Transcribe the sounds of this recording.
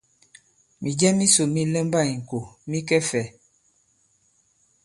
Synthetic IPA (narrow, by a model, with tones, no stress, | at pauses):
mi˨d͡ʒɛ˦mi˦so˨mi˦lɛ˦mba˦˨i˨ŋ̩˨ko˨mi˦kɛ˦fɛ˨